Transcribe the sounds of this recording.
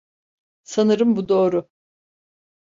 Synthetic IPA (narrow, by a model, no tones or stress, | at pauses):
sanɯɾɯmbud̪o̞ːɾʊ